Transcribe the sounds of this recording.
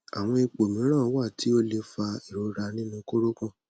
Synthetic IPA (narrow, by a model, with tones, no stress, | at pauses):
a˨w̃ɔ̃˧i˧k͡po˨mĩ˨˦ɾ̃ã˦˨˦wa˦˨tʰi˨˦o˦le˧fa˧i˨ɾo˨˦ɾa˧nĩ˦nũ˧ko˦ɾo˦kã˦˨